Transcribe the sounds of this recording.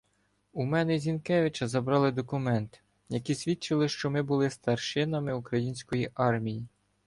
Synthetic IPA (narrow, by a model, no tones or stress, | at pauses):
umɛnɛzʲinkɛʋʲɪt͡ʃɐzɐbɾɑlˠɪd̪ɔkʊmɛnt̪ | jɐkʲisʲʋʲit͡ʃɪlˠɪʃt͡ʃɔmɪbʊlˠɪst̪ɐrʃɪnɐmɪukɾɐjinʲsʲkɔjiʔɑrmʲiji